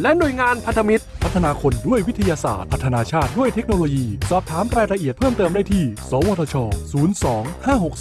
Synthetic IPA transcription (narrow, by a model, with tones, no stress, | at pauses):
lɛ˦˥nu˨˩əjŋaː˧npʰa˦˥t̪ʰa˧mi˦˥t̪̚pʰa˦˥t̪ʰːa˧naː˧kʰo˧ndu˥˩əjwi˦˥t̪ʰa˧jaː˧sa̰ː˨˩t̪̚pʰa˦˥t̪ʰːa˧naː˧t͡ɕʰaː˥˩t̪̚du˥˩əjt̪ʰe˦˥k̚noː˧loː˧jiː˧sɔː˨˩p̚t̪ʰaː˩˦mɾaː˧jɾa˧ʔi˨˩ət̪̚pʰɤː˥˩mt̪ɤː˧mdaː˥˩jt̪ʰiː˥˩sɔː˩˦woː˧t̪ʰɔː˧t͡ɕʰɔː˧suː˩˦˥nsɔː˩˦ŋhaː˥˩ɦo˨˩k̚s